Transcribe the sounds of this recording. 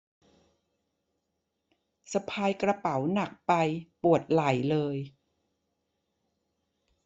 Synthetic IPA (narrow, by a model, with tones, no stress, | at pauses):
sa˧pʰaː˧jkɾa˧pa˩˦wna˨˩k̚pa˧jpu˨˩ət̪̚la˨˩˦jlɤː˧j